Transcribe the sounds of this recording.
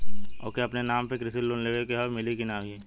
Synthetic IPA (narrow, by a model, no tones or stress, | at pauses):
o̰ːkeɐpnenaːmpekɾɪsɪlːonleːʋekeɦɔɾmɪlikɪnaːʋii